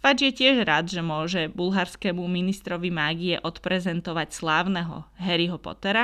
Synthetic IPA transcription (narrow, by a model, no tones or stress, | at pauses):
fad͡ʒjɛcɪɛʒɾad̪ʒɛmʊɔʒɛbulɦaɾskɛmuminist̪ɾɔʋimaːɡijɛʔɔt̪pɾɛzɛnt̪ɔʋacslaːʊnɛɦɔ̰ɦɛɾiɦɔpɔ̰t̪ɛɾa